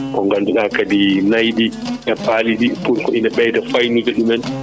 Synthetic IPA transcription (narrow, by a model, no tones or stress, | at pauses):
kɔŋɡanduɗakadinajɗiʔɛpaliɗipulkɔʔinaɓɛjtafajnud͡ʒɛɗumɛn